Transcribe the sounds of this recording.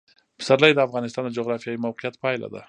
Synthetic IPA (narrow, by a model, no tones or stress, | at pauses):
pə̥saɾlajd̪əafɣɑnɪst̪ɑnd̪əd͡ʒoɣɾɑfjɑjimawqɪjat̪̚pɑjla̰d̪a̰